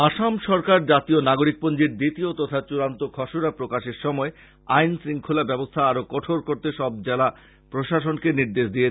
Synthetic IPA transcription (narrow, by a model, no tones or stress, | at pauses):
aʃamʃɔɾkaɾd͡ʑat̪ionaɡoɾik̚pond͡ʑiɾd̪it̪iot̪ɔt̪ʰat͡ɕuɾant̪okʰɔʃoɾapɾokaʃeɾʃɔmɔe | ajnsɾiŋkʰulabɛbost̪ʰaaɾokɔʈʰoɾkoɾt̪eʃɔb̚d͡ʑɛla | pɾoʃaʃonkeniɾd̪eʃd̪ie